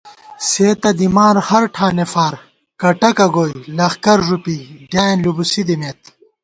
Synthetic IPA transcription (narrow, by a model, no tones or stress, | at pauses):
seːt̪ɐd̪imaːɾhɐɾʈʰaːnefaːɾ | kɐʈɐkɐɡoːjlɐxkɐɾʐupiɖjaːnlubusid̪imeːt̪